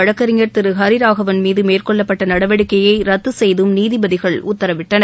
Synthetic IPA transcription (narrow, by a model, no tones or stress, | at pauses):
ɐɻɐkːɐɾɪŋɐɾt̪ɪɾɯɦɐɾɪɾaːɣɐʋɐnmiːðɯmeːrkɔɭːɐpːɐʈːɐnɐɽɐʋɐɽɯkːɐjɐɪɾɐt̪ːɯsɛjðɯmniːðɪbɐðɪɣɐɭʊt̪ːɐɾɐʋɪʈːɐnɐ